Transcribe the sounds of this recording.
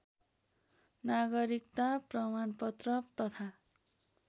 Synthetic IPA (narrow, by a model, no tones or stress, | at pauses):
naɡʌɾikt̪aprʌmanpʌt̪rʌpt̪ʌt̪ʰa